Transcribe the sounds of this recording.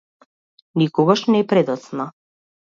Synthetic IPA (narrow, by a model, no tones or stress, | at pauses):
nikɔɡaʃnɛpɾɛd̪ɔt̪sna